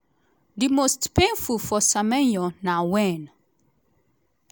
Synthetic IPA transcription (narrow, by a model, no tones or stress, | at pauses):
dimostpẽnfulfɔsamɛ̃njɔnawɛ̃n